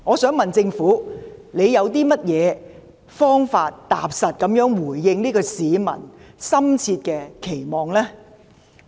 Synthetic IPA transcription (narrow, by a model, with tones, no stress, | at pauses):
ŋɔː˨˧sœː˨˥ŋmɐ˨nt͡sɪ˧ŋfuː˨˥le˨˧jɐ˨˧wt̪iː˥mɐ˥t̚jɛː˨˧ | fɔː˥ŋfaː˧tt̪a̰ː˨˧p̚sɐ˨t̚kɐ˨˥mjœː˨˥ŋwuː˨˩jːɪ˧ŋliː˥kɔː˧siː˨˧mɐ̰˨˩nsɐ˥mt͡sʰiː˧t̚kɛː˧kʰe˨˩jmɔː˨ŋlɛː˥